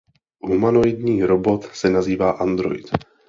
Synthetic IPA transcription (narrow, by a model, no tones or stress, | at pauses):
ɦumanojdɲiːɾobo̞t̪sɛnaziːvaːʔand̪ɾo̰jt̪